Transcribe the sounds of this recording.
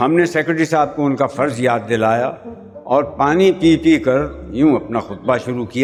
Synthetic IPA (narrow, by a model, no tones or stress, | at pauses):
hɐmneseːkɾɪʈɾisaːb̚koʊnkafɐɾzjaːd̪ːɪlaːja | ɔːɾpaːnipiːpikɐɾjũɐpnaxʊt̪̚baʃʊɾukijaː